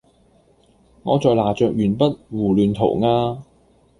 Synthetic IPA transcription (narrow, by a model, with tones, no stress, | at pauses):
ŋɔː˨˧t͡sɔː˨˧jlaː˨˩t͡ʃœː˨˧k̚jyː˨˩npɐ˥t̚wuː˨˩lyː˨˧nt̪ʰo̰˨˩wŋaː˧